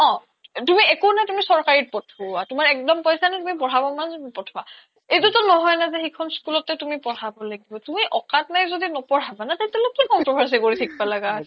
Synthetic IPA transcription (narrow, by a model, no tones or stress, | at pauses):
ɔ̃ | tumiɛkunajtumisɔɹkaɹit̚pɔtʰɔatumaɹɛk̚dɔmpɔjsanɛtumip̬ɔɹabɔmanzpɔtʰɔa | ejtutɔnɔɦɔjnazɛxikʰɔnskulɔtːɛtumipɔɹabɔlaɡibɔtumiʔɔkatnajzodinɔpɔɹabanatatɛlokikɔmpɹɔbʱaɹs̬ikoɹitʰik̚palaɡaɦ